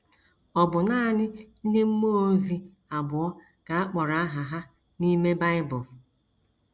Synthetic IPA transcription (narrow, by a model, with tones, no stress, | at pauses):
ɔ˨bʊ˨naː˦˨nɪ˦n̩˦dɪ˦m̩˦mo˦vi˦ | a˨bʊ˨ɔ˦ | ka˨a˦k͡pɔ˨ɾa˨a˦ɦa˨ɦa˦ | ni˦me˦ba˦ɪ˦bʊ˨